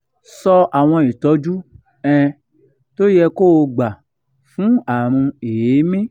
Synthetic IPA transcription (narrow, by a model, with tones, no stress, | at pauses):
sɔ˧a˨w̃ɔ̃˧i˨tɔ˨˦d͡ʒu˦ | ɛ̃˧ | to˦jɛ˧ko˦o˧ɡ͡ba˨ | fũ˨˦a˦˨ɾ̃ũ˧e˨je˨˦mĩ˦